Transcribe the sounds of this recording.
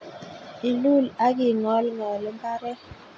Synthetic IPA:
i˨lu˦˨la˦k̬i˨ŋɔ˨˦lŋɔ˨lɛ˦mba˦ɾɛ˦

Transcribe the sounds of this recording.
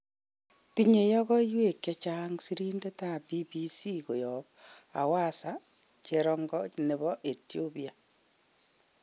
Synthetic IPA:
ti˦ɲe˨jɔ˦ɣɔ˦iwe˦˨kja˦t͡ʃaŋsi˦ɾi˦nde˦ta˦bi˦bisi˦ko˨jɔ˨p̚a̰˨wa˦sa | t͡ʃeɾɔŋɡɔ˦ne˨βɔ˦ʔe˨tjo˦pia˨

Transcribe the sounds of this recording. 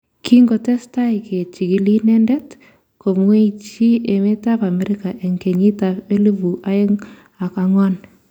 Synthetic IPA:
ki˦ŋɡo˨tɛ˦sta˦ɪ˨kʰe˨t͡ʃi˨ki˦li˦nɛ˦ndɛ˦t | ko˨mwe˦i˦t͡ʃi˦e˨me˦ta˦pa˨mɛ˦ɾɪ˦ka˨ʔe˨ŋke˨ɲi˦ta˨pe˦li˦vu˨ʔa˦ɪ˦ŋ | a˨ka˦ŋɔ˦n

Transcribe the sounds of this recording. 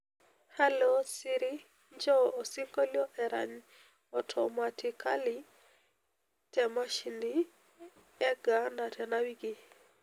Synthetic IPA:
ha˦losiɾi˦ | ɲd͡ʒɔ˦o˨si˦ŋko˦ljɔ˦ʔɛ˨ɾa̰˨ɲ | ɔtʰɔmatikali | tɛmaʃindi | ɛ˦ɡana˨tʰɛ˨nawi˦ɡi˨

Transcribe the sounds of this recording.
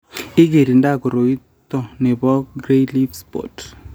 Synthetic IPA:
ɪ˦ke˨ɾi˨nda˦˨ko˨ɾo˨i˦ | t̪ɔ˦˨nɛ˨bɔ˦ɡɾe˦li˦fspɔ̰˨t

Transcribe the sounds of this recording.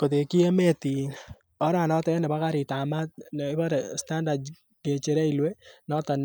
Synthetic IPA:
ko˨te˨ki˦ɛ˦mɛ˦ti˨ | ɔ˦ɾa˨nɔ˦tɛ˦nɛ˨ba˦ka˦ɾɪ˨tama˦t̚nɪbaɾsta˦ndad | ke˨t͡ʃe˨ɾɛ˦i˨lwe˦nɔ˦tɔ˨n

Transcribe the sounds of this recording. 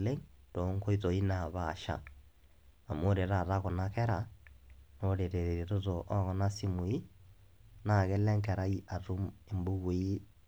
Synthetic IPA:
le˦ŋto˨˦ŋko˦i˦to˨i˦na˨βa˨ʃa̰˨ | a˨mo˦ɾe˨ɾa˨ɾa˦ko˨na˦kɛ˦ɾa˨ | no˦ɾe˨ɾe˨ɾe˨ɾe˨to˦to˨ʔɔ˦ɣɔ˦na˦si˦mu˨i˦ | na˨ɣɛ˦lɛ˦ŋkɛ˨ɾa˦i˦ʔa˨tu˦me˨mbu˦ɣwe˨i˦

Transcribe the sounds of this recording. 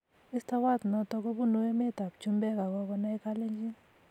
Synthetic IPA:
ɪ˦st̪a˦wa˦t̪nɔ˦t̪ɔ˧ɡɔ˦bu˦nu˦e˦me˦t̪a˨p̚t͡ʃu˦mbɛ˦ɡa˨ɡɔ˦kɔ˦na˦jka˦le˦d͡ʒi˦

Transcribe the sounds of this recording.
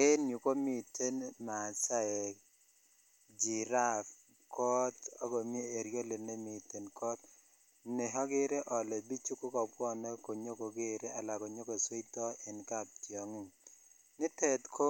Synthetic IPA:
e˦nju˨ko˦mi˨te˦nma˨sa˦ɛ˨k | d͡ʒi˨ɾa˦f | kʰɔ˦tɔ˦ɡɔ˨mje˦e˨ɾjo˦le˨ne˦mɪ˨te˨nkɔ˦t̚ | ne˨ɦɔ˦ɡɪ˦ɾe˦ʔɔ˨le˨bi˦t͡ʃu˦ko˦kɔ˨pwɔ˦nɛ˦ko˨ɲo˦ko˨ɡe˦˨ɾe˦a˨la˨ɡɔ˨ɲo˦ɡo˨swe˦i˦tɔ˦ɛ˨nka˦˨p̚tjɔ˨ŋɪ˦˨ | nɪ˦te˦tkʰo˦

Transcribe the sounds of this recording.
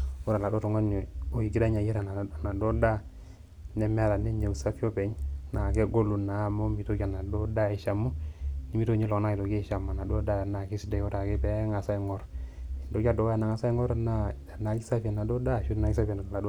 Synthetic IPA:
o˦ɾa˨la˨do˦to˨ŋa˦n˨o˨i˨ɡi˦ɾa˦ɲa˨ji˦ɾa˨na˨na˨do˦da˦ | ne˨me˦a˦˨ɾa˨ne˦ɲe˨u˨sa˦fi˦o˦pe˨ɲna˨ke˦ɡo˦lu˨na˨˦mo˦mi˨to˦ka˨na˨do˦da˦e˨ʃa˨mu˦ni˨mi˦to˦ɲi˦lo˨kna˦i˨to˨ɡe˦˨ʃa˨ma˨na˨do˦da˦˨na˨ki˦sde˨˦o˦ta˨ke˦pe˦ŋa˨sa˦i˦ŋo˦ɾi˨ndo˦ka˦˨do˨˦a˨na˨ŋa˨sa˦i˦ŋo˦ɾna˦˨ | na˨ki˦sa˦fi˦a˨na˨do˦da˦˨ʃu˦ɾna˨˦ki˦sa˦fe˨na˨la˨d

